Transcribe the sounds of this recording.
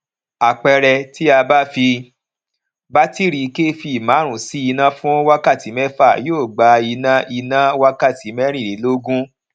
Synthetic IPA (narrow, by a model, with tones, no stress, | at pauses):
a˨k͡pɛ˧ɾɛ˧ti˦a˧ba˦fi˧ | ba˦ti˦ɾi˧ke˦fi˧˨mã˨˦ɾ̃ũ˨si˦i˧nã˦fũ˦wa˦ka˦˨ti˨˦mɛ˦fa˦˨joː˦˨ɡ͡ba˧i˧nã˧˦ʔi˧nã˦wa˦ka˦˨ti˨˦mɛ˦ɾ̃ĩ˦˨ɾe˨˦lo˦ɡũ˦